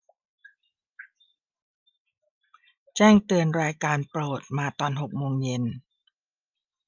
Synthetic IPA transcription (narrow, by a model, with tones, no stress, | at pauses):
t͡ɕɛː˥˩ŋt̪ɯ˧ənɾaː˧jkaː˧npɾoː˨˩t̪̚maː˧t̪ɔː˧nɦo˨˩k̚moː˧ŋje˧n